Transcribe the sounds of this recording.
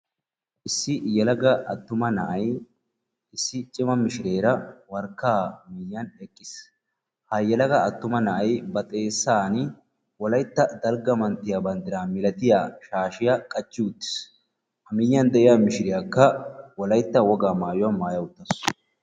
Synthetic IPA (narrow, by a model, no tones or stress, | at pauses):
ʔɪsːɪjɛlɐɡɐʔɐt̪ːʊmɐnɐʔɐj | ɪsːɪt͡ʃʼɪmɐmɪʃɪɾe̞ːɾɐwɐɾkːaːmɪjːɐnɛkʼːɪs | hɐjːɛlɐɡɐːt̪ːʊmɐnɐʔɐjbɐt̪ʼe̞ːsːaːn | wɔlɐjt̪ːɐd̪ɐlɡɐmɐnt̪ːɪjabɐnd̪ɪɾaːmɪlɐt̪ɪjaːʃaːʃɪjakʼɐt͡ʃʼːɪʊt̪ːɪ̥s | hɐmɪjːɐnd̪ɛʔɪjamɪʃɪɾɪjakːɐwɔlɐjt̪ːɐwɔɡaːmaːjʊwɐnmaːjɐwʊt̪ːɐs